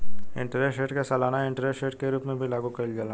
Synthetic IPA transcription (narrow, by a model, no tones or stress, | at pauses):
ɪ̰̃ɳʈəɾeʈeːʈkesɐlaːnaɪ̃ɳʈəɾesʈeːʈkeɾuːpmẽbʱilaːɡukɐild͡ʒala